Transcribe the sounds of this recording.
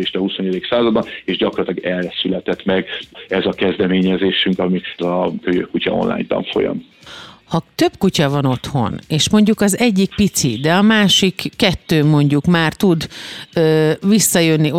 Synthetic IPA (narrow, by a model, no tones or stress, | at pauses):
eːʃt̪ɛhusoɲed̪iksaːzɒd̪bɒneːʒɟɒkorlt̪lɒɡɛrɛsylɛt̪ɛt̪mɛɡɛzɒkɛzd̪ɛmeːɲɛzeːʃyŋkɒmikɒkøjøkucɒ̰o̰nla̰ːjɲt̪ɒ̰ɱfo̞̰jɒ̰m | hɒt̪ø̞bkucɒvɒno̞t̪ho̞̰neːʃmo̞ɲɟukɒzɛɟːikpit̪sid̪ɛɒmaːʃikːɛt̪ːøːmo̞ɲɟukmaːrt̪ud̪øːvisːɒjønːi